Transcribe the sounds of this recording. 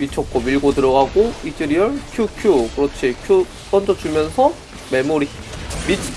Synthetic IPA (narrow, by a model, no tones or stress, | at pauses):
mit͡ɕʰʌk̚k͈ʌmiɭɡotɯɾʌɡaɡoit͡ɕ͈iɾiʌɭkʰjukʰjukɯɾʌt͡ɕʰikʰju | p͈ʌnd͡ʑʌt͡ɕumjʌnsʰʌ | memuɾi | mit͡ɕʰ